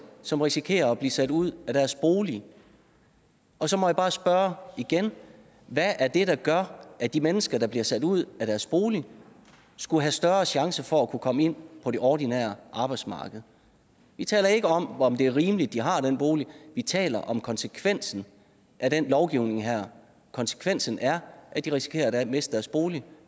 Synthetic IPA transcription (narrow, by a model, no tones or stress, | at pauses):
sɒ̽mʁisikʰe̝̰ːɐɒb̥lisæd̥uð̰ˠæd̥æɐsb̥o̝ːli | ɒ̽sɒ̽mɒ̽jab̥ɑ̈ːsb̥ɶɐiɡ̥en | ʋæʔæɐd̥e̝ɾ̥ɑ̈ɡ̥ɶɐʔæd̥imenəsɡ̥ɐɾ̥ɑ̈b̥liɐsæd̥uð̞̰ˠæɾæɐsb̥o̝ːli | sɡ̥uɦæsd̥ɶːɐɕɑ̈ŋsɐfɒ̽ækʰukʰɒ̽məe̝n̰pʰɒ̽ɾe̝ʔɒdinɛ̰ːɐʔɑ̈ːb̥ɑ̈ɪd̥smɑ̰̈ːɡ̥əð̩ˠ | ʋit͡sʰɛ̰ːlɐe̝ɡ̥əɒ̽mɒ̽md̥e̝æɐʁiːməlid̥ːiɦɑ̈d̥enb̥o̝ːliʋit͡sʰɛ̰ːlɐʔɒ̽mkʰɒ̽nsəkʰʋen̰sn̩ | ʔæɾ̥enlɒʊɡ̥iʊ̰ne̝ŋɦæɐ̰ | kʰɒ̽nsə̥kʰʋen̰sn̩æɐʔæd̥iʁisi̥kʰe̝̰ːɐdmesd̥d̥æɐsb̥o̝ːli